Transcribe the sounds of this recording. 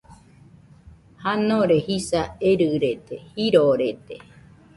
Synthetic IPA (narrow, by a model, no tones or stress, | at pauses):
hanoɾehisaeɾɨɾet̪ehiɾoɾet̪e